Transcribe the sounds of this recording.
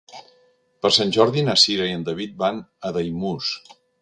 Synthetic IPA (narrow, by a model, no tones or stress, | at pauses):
pəɾsanʲʒɔɾðinəsiɾəiənd̪əβit̪̚banəðəjmus